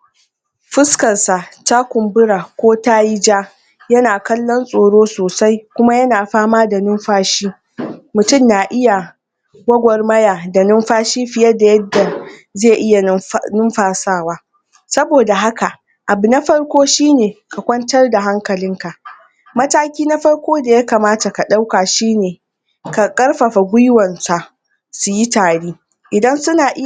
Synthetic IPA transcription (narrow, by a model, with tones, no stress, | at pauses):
ɸɪ˦skɐ˨nsa˨ta˦kʷʊ˨mbʊ˦ɽa˨kʷoː˦taː˦ji˦d͡ʒaː˦ | jɐ˦naː˨kɐ˦lːɔ˦nsʼoː˨ɽoː˦soː˨sa˦jkʷʊ˦ma˦jɐ˦naː˨ɸaː˦maː˦da˨nʊ˦mɸaː˦ʃiː˦ | mʊ˨tʊ˦˨mjaː˨ʔɪ˦ja˨ | ɡʷɐ˦ɡʷɔ˨rmɐ˦jaː˨da˨nʊ˦mɸaː˦ʃiː˦ɸɪ˨jɐ˦da˨jɐ˦dːa˨zeː˦˨ʔɪ˦ja˨nʊ˦mɸaː˨saː˦˨waː˦ | sɐ˦boː˨da˨ɦa˦ka˨ʔ | ʔa˨bu˨na˦ɸɐ˦rkʷoː˦ʃiː˦neː˨ka˨kʷɐ˦ntɐ˦rda˨ɦa˦ŋkɐ˨lɪ˦ŋka˨ʔ | mɐ˦taː˦kʲiː˦na˦ɸɐ˦rkʷoː˦da˨ja˦ka˨maː˦ta˨ka˨ɗa˦wkaː˨ʃiː˦neː˨ | ka˨kʼɐ˦rɸa˨ɸa˨ɡʷʊ˦jwɐ˨nsa˨ʔ | su˨ji˦taː˨ɽiː˦ | ʔɪ˨dɐ˦nsʊ˦naː˨ʔɪ˦